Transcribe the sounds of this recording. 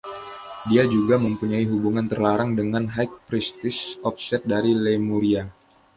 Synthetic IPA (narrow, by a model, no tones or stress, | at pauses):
diad͡ʒuɡaməmpuɲaiɦubuŋant̪ərlaɾaŋdəŋanɦajk̚pɾist̪ɪsɔfsɛt̪̚daɾilemuɾia